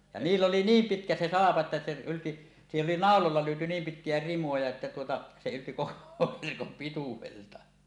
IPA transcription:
jɑ niːlː oli niːm pitkæ se sɑlɑko etːæ se ylti siːhen oli nɑˑololːɑ lyøtuˑ niːm pitkijæ rimojɑ etːæ tuotɑ se ylti koko ʋerkom pituweltɑ

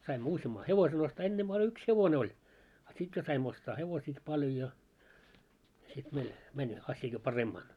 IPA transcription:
sɑimːo usjɑmːɑ heʋosen ostɑː enːemb̥æː olʲ yks heʋonĕ olʲ ɑ sit jo sɑimː ostɑː heʋosiːki pɑljo jɑ sit meil mænʲ ɑsjɑ jo pɑremːɑːn

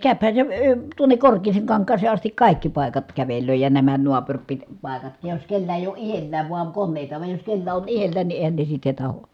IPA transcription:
jɑ kæˑøphæ se əː tuonek korkeːseːŋkɑŋkˑɑːseː ɑstik kɑˑi̯kːi pɑˑi̯kɑt kæʋeløː jɑ næmæ nuɑpurʲpit pɑˑekɑtkij jos kelːæ eˑij oː ʔihelːæːʋ ʋuɑŋ konːeˑitɑ ʋɑ jos kelːæ on ihelːæːn ni eˑi̯hæn ne sitːe tɑho

